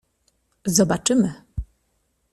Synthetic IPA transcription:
zɔbat͡ʂɘmɘ

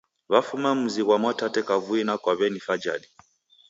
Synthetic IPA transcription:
βafumam̩ziɣwamɔtatɛkavuinakwaβɛnifad͡ʒa̰ɗi

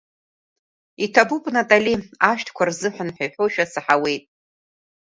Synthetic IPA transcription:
itʰabupʼnatʼaliaʃtʰkʷʰarzɨħʷanħʷᶣajħʷoʃᶣasaħawe̞jtʼ

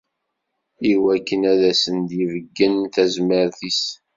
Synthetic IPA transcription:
iwækːənæðæsənd̪jivəɡːənθæzməɾθis

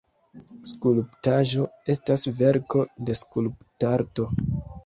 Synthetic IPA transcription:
skulptaʒo̞e̞stasve̞ɾko̞de̞skulptaɾto̞

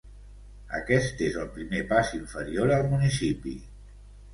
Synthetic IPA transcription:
ə̰kɛst̪ezəlˠpɾimepasiɱfəɾioɾəlˠmunisipḭ

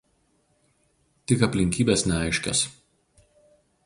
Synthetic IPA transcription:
t̪ʲɪkɐpʲlʲɪŋʲkʲiːbʲeːsnʲɛɐɪʃʲkʲɛ̰s

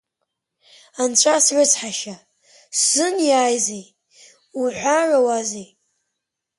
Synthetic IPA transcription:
ant͡ɕʷʰasrɨt͡sʰħaʃa | sɨnjaːjzej | uħʷarawazej

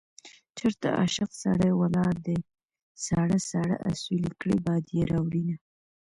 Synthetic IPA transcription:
t͡ʃeɾt̪a̰ʔa̰ʃɪqsa̰ɽəwalɑɾd̪ə | saɽəsaɽa̰ʔa̰sulikɽibɑd̪jeɾɑwɽina

